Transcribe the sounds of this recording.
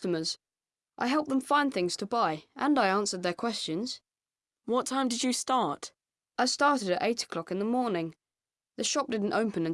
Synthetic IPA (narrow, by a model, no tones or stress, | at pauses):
təmə˞z̥ | ʔa̰ɪɦɛlˠp̚ðə̃ɱfãɪ̃nθɪ̃ŋz̥tʰəbaɪʔə̃naɪæ̃nsə˞d̪̚ðə˞kʰw̥ɛst͡ʃɨ̃nz̥ | wʌtʰãɪ̃mdɨd͡ʒɨstɑɹt | ʔaɪstɑɹɾɨɾɨɾʔeɪɾə̥kʰl̥ɑkɨ̃nðəmɔɹnɪ̃ŋ | ðɨʃɑp̚d̥ɪdⁿn̩tõʊpɨ̃nɨ̃n